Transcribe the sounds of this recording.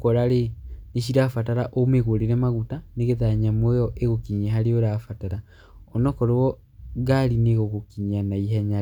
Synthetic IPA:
kɔɾaɾeneɕiɾafataɾaʔomeɣoɾeɾɛmaɣutaneɣeðaɲamojɔʔeɣokiɲeɦaɾeoɾafataɾa | ɔnɔkɔɾoɔ | ɣaɾineɣoɣokiɲanaiɦɛɲa

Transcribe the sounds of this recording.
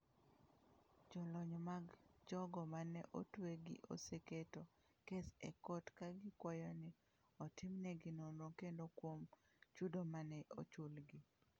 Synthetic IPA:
d͡ʒɔlɔɲmaɡd͡ʒɔɡɔmanɛʔotweɡɪ̰ʔo̰seketo | kesɛ̰kɔtkaɡɪkwɔjɔnɪ | ɔtɪmnɛɡɪnonokendokwom | t͡ʃudomanɛʔo̰t͡ʃʊlɡɪ

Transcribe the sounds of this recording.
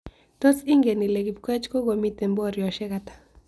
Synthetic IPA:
t̪ot͡siŋɡenileɡip̚kwet͡ʃkoɡomit̪emboɾjoʃekat̪ḁ

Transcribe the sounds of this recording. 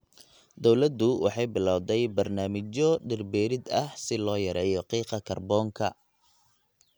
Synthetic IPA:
d̪ɔwlɐd̪ʊwɑ̰ħɑjbɪlawd̪ɛjbɐrnaːmɪt͡ʃɔɖɪrbɛːɾɪd̪ɐhsɪlɔːjɐɾɛːjɔqiːqɑkʰɐrbɔːŋkʰɐ

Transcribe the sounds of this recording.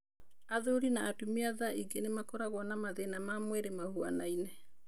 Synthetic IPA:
aðoɾinaːtumiaðaiɡenemakoɾaɣwɔnamaðenamamwɛɾemahua̰nainɛ

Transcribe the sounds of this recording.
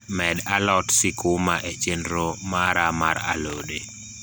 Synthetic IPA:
mɛdalɔtsɪkʊmaʔet͡ʃendɾomaɾamaɾa̰lode

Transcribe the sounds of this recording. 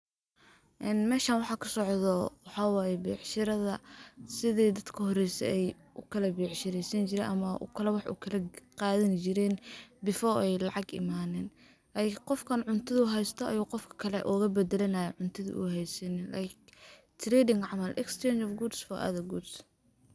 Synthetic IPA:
ʔɛnmɛːʃaːnwɑħɑːkʰɐsɔʕðɔwɑħɑːwɑːjɛbɛːʕʃɪɾɐðɐsɪðɛjd̪ɐd̪kʰɐɦɔɾɛjsɛ̰ɛj | ʔʊkʰɐlɐbɛːʕʃɪɾɛsɐnt͡ʃɪɾɛːnʔɐmɐʔʊ̰kʰɐlɛwɑħɑʔʊ̰kʰɐlɐqɑːðɪnt͡ʃɪɾɛːnbɪfɔːɛjlɑʕɑɡɪ̰maːnɛːn | ajqɔfkʰɐnʕʊnt̪ʰɐðʊɦɛjst̪ʰɔʔɐjuːqɔfkʰɐ̥kʰɐlɛ̰ʔɔːɣɐbɛd̪ɛlɐnɐjɐʕʊnt̪ʰɐðḭʔʊ̰ɦɛjsɐnɪla̰jk | t̪ʰɾɛːdɪŋʕɑmɐlʔɛ̰kst͡ʃʰɛnt͡ʃɔfɡuːd̪sfɔʔɐ̰ðɐɡuːd̪s

